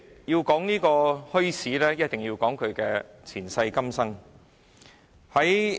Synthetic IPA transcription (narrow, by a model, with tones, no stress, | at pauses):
jiː˧wkɔː˨˥ŋniː˥kɔː˧hɵ˥ɥsʰiː˨˥lɛː˥jɐ˥t̚t̪ɪ˨˩ŋji˧wkɔː˨˥ŋkʰɵ˨˧ɥkɛː˧t͡sʰiː˨˩nsɐ˧jkɐ˥msɐ˥ŋ | hɐ˨˥j